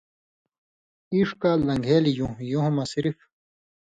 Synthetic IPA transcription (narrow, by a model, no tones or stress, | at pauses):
iʂkaːlːɐŋɡʱeːlijũjõɦmɐsɾif